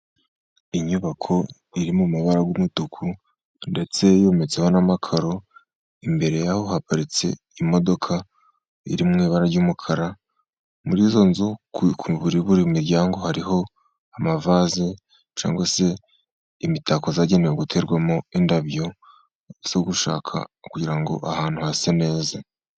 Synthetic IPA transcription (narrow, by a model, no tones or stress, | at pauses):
iɲuβakʰo̞ | iɾimumuβaɾaɡwumutukʰu | nde̞t͡se̞jo̞ːmet͡se̞ho̞namakʰaɾo̞ | imbe̞ɾe̞jaho̞hapaɾit͡se̞̰ | imo̞do̞kʰa | ḭɾimŋiːβaɾaɾɟuːmukʰaɾa | muɾiːzo̞nzukʰuβuɾiβuɾimiɾɟaːŋɡo̞haɾiɦo̞ | amavaze | t͡ʃa̰ːŋɡwase̞ | imitakozaɟeneweɡutʰe̞ɾɡwamoindaβjo | z̥o̞ɡuʃa̰ːkʰa̰kuɟiɾaŋɡo̞̰ʔahaːn̥huhaːsene̞ːza